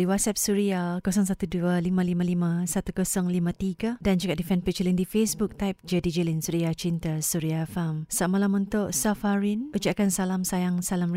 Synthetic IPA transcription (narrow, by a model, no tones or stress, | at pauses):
diwat̪̚sap̚suɾiakosɔŋs̬at̪udualimãlimãlimãsat̪ukosɔŋlimãt̪iɡadand͡ʒukaʔdifɛnpit͡ʃəlindifesbuk̚t̪ajp̚d͡ʒədid͡ʒəlinsuɾiat͡ʃint̪asuɾiafamsamalamunt̪ʊʔsafaɾinud͡ʒaʔkansalamsajaŋsalam